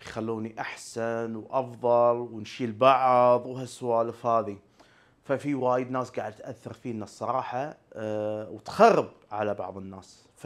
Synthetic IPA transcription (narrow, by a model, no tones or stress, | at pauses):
xalːuːniʔaħsanwʔɑfðˤɑlwnʃilbɑʕðˤwɦaswaːləfhaːði | fafiwajəd̪naːsɡaʕəd̪̚t̪ʔaθːɑɾˤfinasˤːɑɾˤɑːħɑ | wt̪xɑrˤːəbʕalabɑ̰ʕðˤənːaːs | f